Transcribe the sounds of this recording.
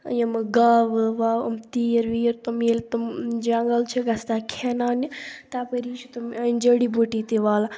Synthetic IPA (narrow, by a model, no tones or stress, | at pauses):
jɐmɡaːʋɨʋaːɐ̰mt̪iːɾʋiːɾt̪umiːlt̪umd͡ʒaŋɡəlt͡ʃʰiɡɐst̪aːkʰeːnaːnit̪aːpɐɾiːt͡ʃʰit̪umɐnd͡ʒəɽibuʈit̪iʋaːla